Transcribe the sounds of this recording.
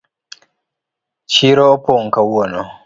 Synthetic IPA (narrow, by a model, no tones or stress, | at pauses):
t͡ʃiːɾoɔpoŋ̩kawwɔnɔ